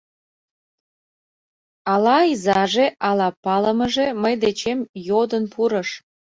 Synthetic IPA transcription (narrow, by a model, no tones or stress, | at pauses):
ɑlɑizɑʒeʔɑlɑpɑləməʒeməjd̪et͡ɕemjod̪ənpuɾə̆ʃ